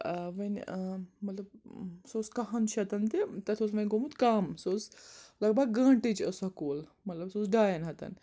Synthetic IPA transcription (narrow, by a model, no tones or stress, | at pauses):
ʋɐnʲmɐt̪lɐb̚soskɐɦɐnt͡ʃʰɐt̪ɐnt̪it̪ɐt̪ʰosʋɐnʲɡomut̪kaːmsoːslɐɡ̚bɐɡɡɐ̃ːɳʈit͡ʃɐsɐkoːl | mɐt̪lɐbsoːs̬ɖaːjɐnɦɐt̪ɐ̰n